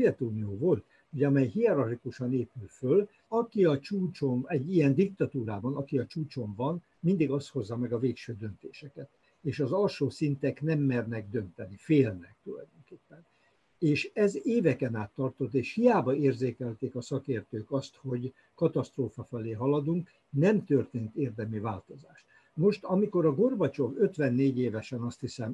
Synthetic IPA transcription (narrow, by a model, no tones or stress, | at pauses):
ɛt̪uːnioːvo̞lt̪ | ho̞ɟɒmɛjɦiɛɾɒrikuʃɒneːpylføl | ɒkiɒt͡ʃuːt͡ʃo̞mɛɟːijɛnd̪ik̚t̪ɒt̪uːɾaːbɒnɒkiɒt͡ʃuːt͡ʃo̞ɱvɒn | mind̪iɡɒst̪ho̞zːɒmɛɡɒveːkʃøːd̪ø̞nt̪eːʃɛkɛt̪ | eːʃɒzɒlʃoːsint̪ɛknɛmːɛrnɛɡd̪ø̞nt̪ɛnifeːlnɛk̚t̪ulɒ̰jd̪o̞ŋkeːpːɛn | eːʃɛzeːvɛkɛnaːt̪ːɒrt̪o̞t̪ːeːʃhijaːbɒeːrzeːkɛlt̪eːkɒsɒkeːrt̪øːkɒst̪ho̞ɟ | kɒt̪ɒst̪roːfɒfɛleːɦɒlɒd̪uŋk | nɛmt̪ørt̪eːnt̪eːrd̪ɛmyvaːlt̪o̞zaːʃt̪ | mo̞ʃt̪ɒmiko̞ɾɒɡo̞rbɒt͡ʃo̞vø̞t̪ʋɛnːeːɟeːvɛʃɛnɒst̪hisɛm